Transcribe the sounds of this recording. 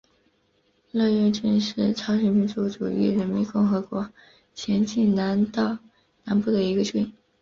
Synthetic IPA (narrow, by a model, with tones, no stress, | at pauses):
lɤ˥˧ɥɛ˥˧nʈ͡ʂə˥˧nʂɻ̩˥˩ʈ͡ʂʰɑ˧˥ʊɕɥɛ˨˩nmi˥˩nt͡su˧˥ʈ͡ʂṵ˨˩y̰˥˩ɻə˧˥nmi˧˥nkʊ˥˩ŋxɤ˧˥kwɔ˧˥ | t͡ɕʰjɛ˧˥nt͡ɕi˥˩na˧˥nt̪ɑ˥˩ | na˧˥npu˥˩d̪ə˩i˧˥ɡə˧ʈ͡ʂwe˥˩˨